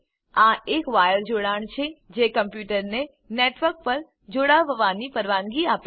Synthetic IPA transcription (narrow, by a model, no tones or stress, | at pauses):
ãʔekʋajəɾd͡ʒoɽaɳ̃t͡ʃʰed͡ʒekəmpjuʈəɾne | neʈʋəɾk̚pəɾ | d͡ʒoɽaʋəʋanipəɾʋãŋɡiap